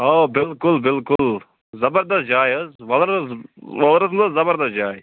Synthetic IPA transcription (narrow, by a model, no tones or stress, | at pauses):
ɦoːbɪlkʊlbɪlkʊl | zɐbəɾd̪ɐs̚d͡ʒaːjəzʋɐlɾzʋɐlɾɐs̬md̪ɐszɐbəɾd̪ɐs̚d͡ʒaːj